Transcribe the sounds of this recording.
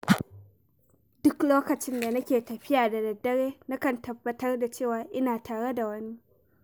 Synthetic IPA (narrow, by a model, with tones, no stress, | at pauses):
dʊ˦kloː˦kɐ˨t͡ʃɪ˦nda˨nɐ˦kʲeː˨tɐ˨ɸɪ˦jaː˨da˨dɐ˨dːɐ˦ɽeː˦na˦kɐ˨ntɐ˨bːɐ˨tɐ˦rda˨t͡ʃeː˦˨waː˨ʔɪ˦naː˨tʰaː˨ɽe˦da˨wɐ˦ni˦